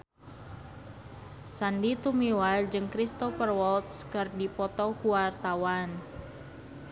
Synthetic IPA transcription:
sandit̪umiwad͡ʒɨŋkɾist̪ɔfərwɔlt̪skɨrdipɔt̪ɔkuwart̪awan

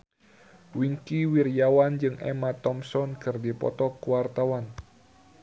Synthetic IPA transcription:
wiŋkiwirjawand͡ʒɨŋʔɛ̰mat̪ɔmsɔnkɨrdipɔ̰t̪ɔkuwart̪awan

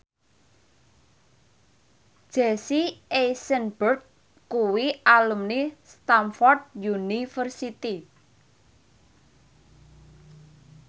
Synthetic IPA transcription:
ʒ̥esiejsənbərt̪̚ | kuwiʔalumnist̪amfɔrd̪̚junifərsit̪i

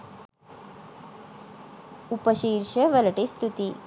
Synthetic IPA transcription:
upɐʃiːɾʂɐʋɐlɐʈist̪ut̪i

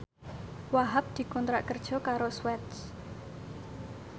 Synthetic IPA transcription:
waɦap̚d̪̥i̤kɔnt̪ɾaʔkərd̥ʒ̥ɔ̤kaɾoswɛt̪s

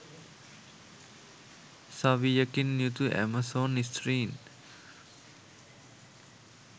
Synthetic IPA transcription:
saʋijəkinːjut̪uʔɛ̰masonistɾiːn

